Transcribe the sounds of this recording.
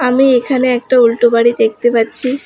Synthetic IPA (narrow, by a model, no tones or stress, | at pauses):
amiekʰaneɛk̚ʈaulʈubaɽid̪ekt̪ibatːt͡ɕʰi